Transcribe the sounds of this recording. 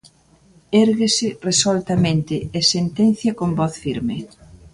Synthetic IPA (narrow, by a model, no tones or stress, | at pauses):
eɾɣesɪresolt̪ɐmẽnt̪ɪɛsent̪en̟θjɐkombɔθfiɾmɪ